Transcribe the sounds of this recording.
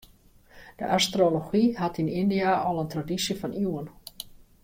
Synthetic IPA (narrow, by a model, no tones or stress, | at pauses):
d̥ə̰ʔastroloxiɦatinindiaʔɔlˠəntradisjəfɑniwən